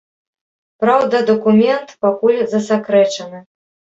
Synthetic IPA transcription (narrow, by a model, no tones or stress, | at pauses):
pɾawd̪ɐd̪ɐkumʲɛnt̪pakulʲzɐsakɾɛt͡ʂɐnɨ